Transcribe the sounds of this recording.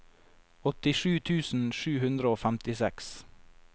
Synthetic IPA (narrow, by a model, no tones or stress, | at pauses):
ɔt̪ɪʃʉːt̪ʰʉːsn̩ʃʉːhʉnd̪ɾəoːfæmt̪ɪsɛks